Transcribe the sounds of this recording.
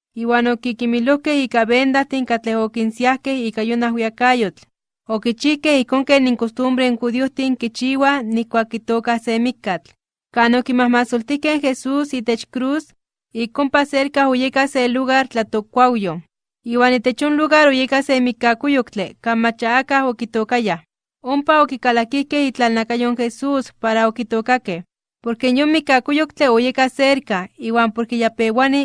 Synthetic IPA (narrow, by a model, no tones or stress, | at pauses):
iːwaːnokikimilohkehiːkaβend̪aht̪iŋkat͡ɬehokinsiahkehiːkajonahwiakajot͡ɬ | okit͡ʃihkehihkoːŋkeːniŋkost̪umbɾeinxuðioht̪iŋkit͡ʃiːwanihkʷaːkːit̪oːkahsemikːat͡ɬ | kaːnokimahmasolt̪ihkeŋxesuːsiːt̪et͡ʃkɾuːs | ikompaseɾkahojekahseluɣaɾt͡ɬat̪okʷawjo | iːwaːniːt̪et͡ʃjonluɣaɾojekahsemikːakojokt͡ɬekanmat͡ʃaakahokit̪okajah | ompaokikalakihkehit͡ɬalnakajoŋxesuːspaɾaokit̪oːkakeh | poɾkenjonmikːakojokt͡ɬeojekahseɾkahiːwaːmpoɾkejapewani